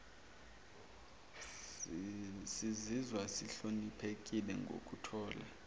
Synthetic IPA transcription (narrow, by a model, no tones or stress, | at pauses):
sizizwasiɬonipʰek̬ʼilɛ̰ŋɡʱo̰kʼutʰɔːla̰